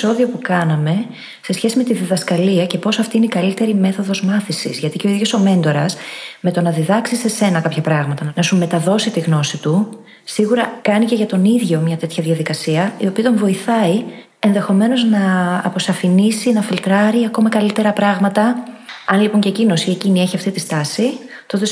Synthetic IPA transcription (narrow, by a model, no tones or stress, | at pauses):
so̞ðio̞pukɐnɐme̞ | se̞sçe̞sime̞t̪iðiðɐskɐliɐce̞po̞sɐft̪iineikɐlit̪e̞ɾime̞θo̞ðo̞zmɐθisḭzʝɐt̪iceo̞iðʝo̞so̞me̞nd̪o̞ɾɐsme̞t̪o̞nɐðiðɐksise̞se̞nɐkɐpçɐpɾɐɣmɐt̪ɐnɐsume̞t̪ɐðo̞sit̪iɣno̞sit̪u | siɣuɾɐkɐnice̞ʝɐt̪o̞niðʝo̞mɲɐt̪e̞t̪çɐðʝɐðikɐsiɐḭo̞piɐt̪o̞ɱvo̞iθɐi | e̞nðe̞xo̞me̞no̞znɐːpo̞sɐfinisinɐfilt̪ɾɐɾiɐko̞mɐkɐlit̪e̞ɾɐpɾɐɣmɐt̪ɐɐnlipoɲce̞cino̞sie̞cinie̞çiɐft̪it̪ist̪ɐsi | t̪o̞t̪e̞